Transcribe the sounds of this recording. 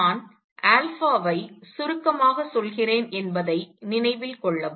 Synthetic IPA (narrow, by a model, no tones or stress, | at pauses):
aːn | ʔaːlfaːʋɐɪsʊɾɯkːɐmaːɣɐsɔlɣɪreːnɛnbɐðɐɪnɪnɐɪʋɪlkɔɭːɐʋ